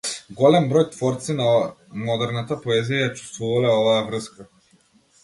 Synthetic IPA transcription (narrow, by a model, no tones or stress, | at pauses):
ɡɔlɛmbɾɔjt̪vɔɾt̪sinamɔd̪ɛɾnat̪apɔɛzijajat͡ʃu̥st̪vuvalɛɔvaːvɾəska